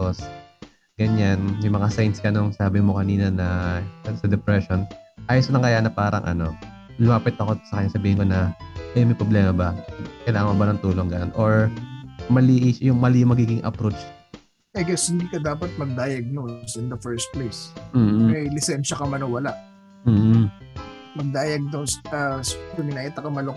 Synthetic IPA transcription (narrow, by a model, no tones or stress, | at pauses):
os | ɡ̥ɐɲanjʊŋmɐŋasajnskɐʔnoŋsaːbɪmokɐniːnɐnɐɐsɐd̪ɛpɾɛʃo̞nʔaːjosnɐŋkɐjaːnɐpaːɾɐ̰ŋʔɐ̰no̞ | lʊmaːpɛt̪ːɐko̞t̪sɐkɐɲːasɐbiːhɪnko̞nɐʔɐjnmɐjpɾoblɛːmɐbɐkɐlaːmɐbɐnɐŋt̪uːloŋɡɐno̞nʔoɹ | mɐliːʔɪʃjʊŋmɐlɪjʊŋmɐɡiːɡɪŋʔɐ̰pɾot͡ʃ | ʔɐjɡɛshɪnd̪iːkɐd̪aːpɐt̪̚mɐɡ̚d̪aːjɐɡ̚nonsɪnd̪ɐfɛɹst̪̚plejsm̩ːmɐjlɪsɛnʃɐkɐmɐnɐwɐlaʔ | m̩ːh | mɐɡ̚d̪aːjɐɡ̚d̪onsɐsd̪ʊmɪnaːjɪt̪ɐkɐmɐlo